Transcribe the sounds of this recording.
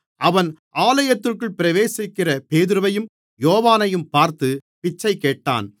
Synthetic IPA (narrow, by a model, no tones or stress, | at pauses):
ʔɐʋɐnʔaːlɐjɐt̪ːɯrkɯɭpɪɾɐʋeːsɪkːɪrɐpeːðɪɾɯʋɐjɯm | joːʋaːnɐjɯmpaːɾt̪ɯpɪt͡ʃːɐɪkeːʈːa̰ːn